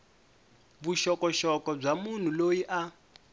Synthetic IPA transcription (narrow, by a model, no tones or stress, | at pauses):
buʃɔkɔʃɔkɔb͡ʐamun̤ulojiʔa